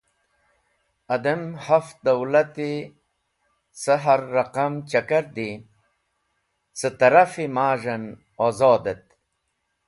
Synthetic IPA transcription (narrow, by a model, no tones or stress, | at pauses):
ɐd̪ɐmhafd̪ɐwlɐt̪i | səɦɐɾːɐqɐmt͡ɕɐkɐɾd̪i | sət̪ɐɾafimaːʐɐn | ozoːd̪et̪̚